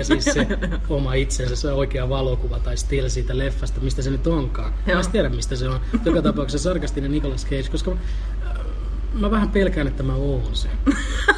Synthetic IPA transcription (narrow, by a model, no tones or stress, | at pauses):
æsiːsse | omɑit̪sensæsseoikeɑʋɑlokuʋɑt̪ɑist̪ilsiːt̪ælefːɑst̪ɑmist̪æsenyt̪oŋkɑː | æst̪iæɾæmmist̪æseonjokɑt̪ɑpɑuksesɑrkɑst̪inenikolɑskeit͡ʃkoskɑ | mæʋæhæmpelkæːnet̪ːæmæoːnse